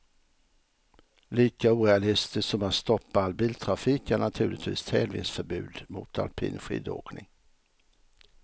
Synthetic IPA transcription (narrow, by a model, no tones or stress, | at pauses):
liːkauːɾɛalɪst̪ɪssɔmat̪st̪ɔpːaalbiːlt̪ʰɾafiːkæɳat̪ʰʉ̟ːlɪt̪vḭːst̪ʰɛlvɪ̰nsfœɾbʉ̟ːd̪mʊ̰t̪ʰa̰lpʰḭːnɧḭːd̪o̰ːknɪŋ